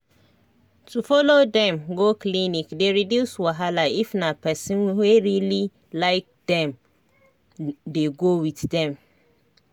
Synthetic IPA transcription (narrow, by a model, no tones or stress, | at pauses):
tufɔlodɛ̃mɡoklinikdeɹidjuswaɦalaifnapʰɛsĩnweɹili | laɪk̚d̥ɛ̃m | deɡowiθdɛ̃m